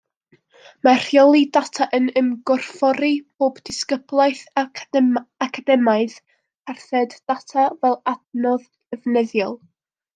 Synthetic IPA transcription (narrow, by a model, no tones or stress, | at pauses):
mar̥jɔlˠidatʰaʔənəmɡɔrfɔɾib̥oːbdɪskəblˠaɨθ | akʰadɛmaɨð | arθɛd̥ːatʰavɛlˠadnɔð | əvnɛðjɔlˠ